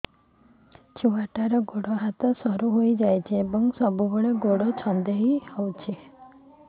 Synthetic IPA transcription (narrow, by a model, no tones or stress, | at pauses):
t͡ʃʰuʋaʈaɾɔɡoɽoɦat̪ɔsəɾuɦoid͡ʒajt͡ʃʰebəŋɡsəbʱuɡəɭeɡoɽot͡ʃʰɔ̃nd̪ʱeɦihɔwt͡ʃʰe